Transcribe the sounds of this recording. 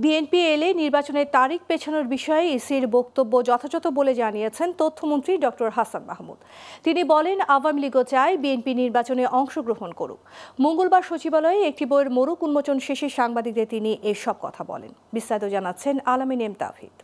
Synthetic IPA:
bienpieleniɾbat͡ɕoneɾt̪aɾik̚ʰpet͡ɕʰanoɾbiʃɔeeisiɾbokt̪obːod͡ʑɔt̪ʰad͡ʑɔt̪oboled͡ʑanijet͡ɕʰent̪ot̪ʰːomont̪ɾiɖɔk̚ʈoɾɦasanma̰ɦmṵd̪t̪inibɔlenawamiliɡot͡ɕaebienpiniɾbat͡ɕoneʔɔŋʃoɡɾoɦonko̰ɾṵkmoŋɡolbaɾʃot͡ɕibalɔeek̚ʈiboeɾmoɾukunmot͡ɕonʃeʃeʃaŋbad̪id̪et̪iniʔeʃɔb̚kɔ̰t̪ʰabɔ̰lḛnbist̪ait̪od͡ʑanatːɕʰenalominemt̪a̰fḭt̪

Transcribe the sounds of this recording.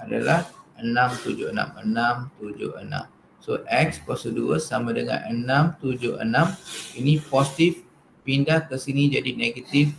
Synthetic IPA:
ada̰lahənãmt̪ud͡ʒʊhəna̰mənãmt̪ud͡ʒʊ̰hənã̰m | soʔɛk̚spɔsəduəsamadəŋã̰nənãmt̪ud͡ʒʊhə̰nãminipɔsit̪if | pindahkəsinĩd͡ʒadineɡət̪if

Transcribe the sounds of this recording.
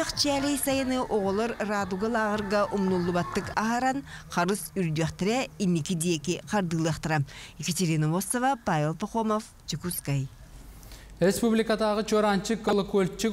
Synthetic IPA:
ɯqt͡ʃʰiælʲejsajɯnɯʔoʁolˠoɾraːd̪uɡalˠɑʁɯɾɡaʔumnulˠːubɑt̪ːɯkɑɦaɾanqʰɑɾɯsyɾd̪eχt̪eɾɛinːikid̪ijekiqʰɑɾd̪ɯlˠɑχt̪ɯɾɑmiket̪ʲeɾinɐmosovapavʲelˠpoχomof | t͡ʃʰikuskaj | rʲespublʲikad̪ɑʁɯt͡ʃʰoɾɑnt͡ʃikolˠokolʲt͡ʃi

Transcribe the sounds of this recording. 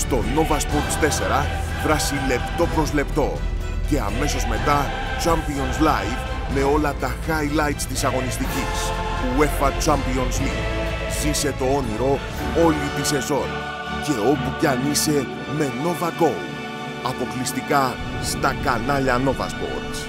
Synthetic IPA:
st̪o̞no̞vɐspoɾt̪i̥st̪e̞se̞ɾɐ | vɾɐsile̞pt̪o̞pɾo̞zle̞pt̪o̞ | ce̞ɐ̰me̞so̞zme̞t̪ɐ | t͡ʃɐmpionslɐjv | me̞o̞lɐt̪ɐxɐjlɐjt̪st̪isɐɣo̞nist̪icis | pue̞ffɐt͡ʃɐmpio̞nslḭv | zise̞t̪o̞o̞niɾo̞ | o̞lit̪ise̞zo̞n | ce̞o̞pucɐnise̞ | me̞no̞vɐɡo̞l | ɐpo̞klist̪ikɐ | st̪ɐkɐnɐʎɐno̞vɐ̰spo̰ɾt̪s

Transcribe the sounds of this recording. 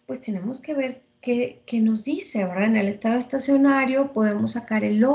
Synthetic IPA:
pwe̞st̪e̞ne̞mo̞ske̞β̞e̞ɾ | ke̞keno̞zðise̞βeɾðaene̞le̞st̪aðoest̪asjo̞naɾjo̞po̞ðe̞mo̞sːakaɾe̞lo

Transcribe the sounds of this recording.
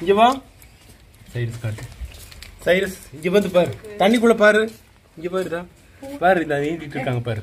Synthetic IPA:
ɪɲd͡ʒɛʋãː | sɐɪɾɐskaːʈːɯ | sɐɪɾɐsɪɲd͡ʒɛʋɐnd̪ɯp̬aːɾɯt̪ɐɳːikːuɭːɐpaːɾɯ | ɪɲd͡ʒɛpaːɾt̪ãː | paːɾɪnd̪ãːʋeːd͡ʒɪʈːɾɯkːaːŋɡɐpaːɾɯ

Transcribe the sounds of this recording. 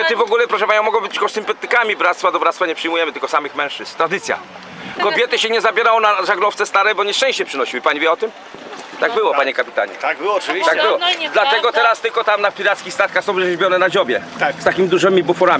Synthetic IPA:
t̪ɨvɔɡulɛpɾɔʂɛpaɲɔmɔɡɔbɘt͡ɕkɔsɨmpɛt̪ɘkamʲibɾat̪st̪fad̪ɔbɾat̪st̪faɲɛpʂɘjmujɛmɘt̪ɘlkɔsamɘxmɛ̃ʂt͡ʂɘst̪ːɾad̪ɘt̪sʲja̰ | kɔbʲjɛt̪ɘɕɛɲɛzabʲjɛɾawɔnaʐaɡlɔft̪sɛst̪aɾɛbɔɲɛʂt͡ʂɛ̃ɕt͡ɕɛpʂɘnɔɕiwɘpaɲivʲjɛɔt̪ɘm | t̪aɡbɘwɔpaɲɛkapʲit̪a̰ɲɛ̰t̪awɔvʲt̪aɡ̚bɘwɔd̪lat̪ɛɡɔt̪ɛɾast̪ɘlkɔt̪amnapʲiɾat̪skʲixst̪at̪̚kaxsɔ̃w̃zɛʑbʲjɔnɛnad͡ʑɔbʲjɛ | st̪akʲimʲid̪uʐɘmʲibufɔɾamʲi

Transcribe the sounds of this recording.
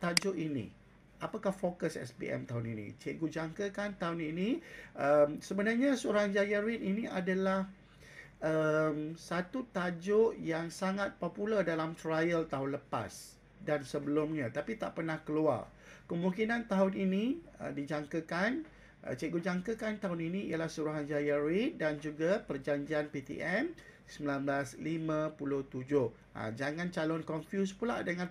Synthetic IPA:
t̪ad͡ʒʊʔinḭ̃ | ʔapakahfokəsɛ̰sbḭʔɛ̰mt̪aʊnḭnḭ̃t͡ʃeʔɡud͡ʒaŋkəkant̪aʊniniəmsəbənarɲasəoɾaŋd͡ʒajaɾininiadalah | əmsat̪ut̪ad͡ʒʊʔjaŋsaŋat̪̚populərdalamt̪ɾajəlt̪aʊnləpa̰s | dansəbəlʊmɲat̪apit̪aʔpərnahkəlua̰r | kəmũŋkinant̪aɦʊnini | ə̰did͡ʒaŋkəkan | ʔə̰t͡ʃəɡud͡ʒaŋkəkant̪aʊninĩḭəlahsuɾuɦand͡ʒajaɾidand͡ʒuɡapərd͡ʒaɲd͡ʒianpit̪ḭʔɛm | səmilanbəlaslimãpulʊht̪ud͡ʒʊh | a̰d͡ʒaŋãnt͡ʃalɔnkɔnfjuspula̰ʔdəŋãn

